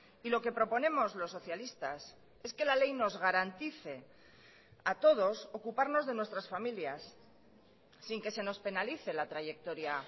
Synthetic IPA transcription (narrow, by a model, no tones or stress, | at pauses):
ilo̞ke̞pɾo̞po̞nẽ̞mo̞zlo̞sːo̞θjalist̪a̰s | e̞ske̞lale̞jno̞zɣaɾant̪iθe̞ | at̪o̞ðo̞so̞kupaɾno̞zðe̞nwe̞st̪ɾasfamiljas | iŋke̞se̞no̞spe̞naliθe̞lat̪ɾaʝe̞k̚t̪o̞ɾja